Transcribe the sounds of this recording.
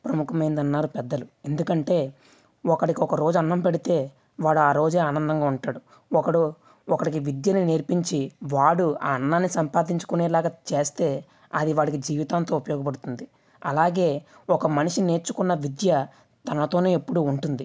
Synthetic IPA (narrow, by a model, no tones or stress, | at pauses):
pɾɐmukʰɐmɐjnd̪ɐnːaːɾupɛd̪ːɐlue̞nd̪ukɐɳʈe̞ː | ɔkɐɽikiɔkɐɾo̞ːd͡ʒuɐnːɐmpeɽit̪e̞ː | ʋaːɽuaːɾo̞ːd͡ʒeːaːnɐnd̪ɐŋɡaːuɳʈaːɽu | ɔkɐɽu | ɔkɐɽik̬iʋid̪jɐnineːɾpiɲt͡ʃiʋaːɽuaːɐnːaːnːisɐmpaːd̪iɲt͡ʃu̥kuneːlaːɡat͡ʃe̞ːst̪e̞ː | ɐd̪iʋaːɽik̬id͡ʒiːʋit̪aːnt̪o̞ːupɐjɔːɡɐp̬ɐɽut̪und̪i | ɐ̰laːɡe̞ːɔkɐmɐniʂine̞ːɾt͡ʃukunːɐʋid̪jɐ | t̪ɐnɐt̪o̞ːneːepːuɽuːɳʈund̪i